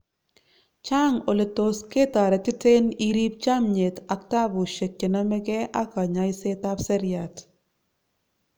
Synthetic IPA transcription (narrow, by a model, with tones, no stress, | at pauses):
t͡ʃa˦ŋo˨le˨t̪oske˦t̪a˨ɾɛ˨tɪ˦te˦niɾi˦p̚t͡ʃa˦mɲe˨t̪a˨kta˦bu˨ʃe˨kːe˨na˦mɛ˦ɡɛ˦ʔa˦ka˨ɲa˨jse˦t̪a˦pse˦ɾja˨t